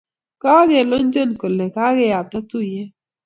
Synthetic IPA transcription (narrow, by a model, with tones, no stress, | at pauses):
kɔ˦ɡe˨lo˦n˦d͡ʒə˦˨nko˨le˨ka˦ɡɪ˦ja˨ta˦tu˦˨je˦